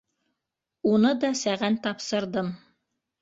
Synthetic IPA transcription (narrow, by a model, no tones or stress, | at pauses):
unɤd̪ɑsæʁænt̪ɑpsɤ̆ɾd̪ɤm